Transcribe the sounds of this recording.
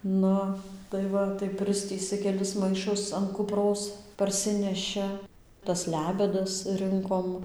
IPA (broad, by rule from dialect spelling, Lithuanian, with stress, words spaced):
ˈnʊ tɐɪ ˈʋɐ tɐɪ ˈpʲrʲɪsʲtʲiːsɨ kʲɛˈlʲɪs mɐɪˈʃʊs ɐn kʊˈproːs pɐrʲˈsʲɪnʲɛʃʲɪ tɐs ˈlʲæːbʲɛdɐs ˈrɨŋkoːm